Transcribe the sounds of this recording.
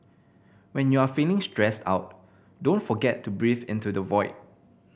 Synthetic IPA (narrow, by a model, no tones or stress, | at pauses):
wɛ̃njuafelɪ̃ŋstɹɛsta̰ʊt̚ | dõntfɔɡɛtʰːubɹifɪ̰̃ntudəvɔɪt̚